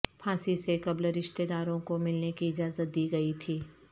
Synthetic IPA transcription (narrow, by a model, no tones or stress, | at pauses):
pʰaːsisekɐbləɾɪʃt̪ed̪aːɾõkomɪlnekiɪd͡ʒaːzət̪̚d̪iːɡɐit̪ʰiː